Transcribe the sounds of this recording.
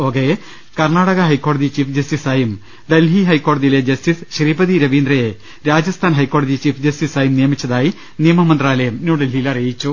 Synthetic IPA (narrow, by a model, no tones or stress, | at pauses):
oːɡe | kɐrɳaːɽɐɣɐɦɐjkːo̞ːɽɐðit͡ɕiːfd͡ʑɐstisaːjum | d̪ɐlɦiɦɐjkːo̞ːɽɐðile̞d͡ʑɐstisɕriːbɐðiɾɐʋiːnd̪rɐje | ɾaːd͡ʑɐst̪ʰaːnɦɐjkːo̞ːɽɐðit͡ɕiːfd͡ʑɐstisaːjumnijɐmit͡ɕːɐðaːji | nijɐmɐmɐnd̪raːlɐjɐmnuːɽɐlɦijilɐrijit͡ɕːu